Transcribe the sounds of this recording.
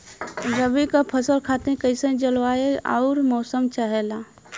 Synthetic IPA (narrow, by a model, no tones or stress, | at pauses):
ɾəbikapʰəsəlkʰaːt̪ẽkəɪsẽd͡ʒəlwaːea̰ʊɾmɔːsəmt͡ʃəɦelaː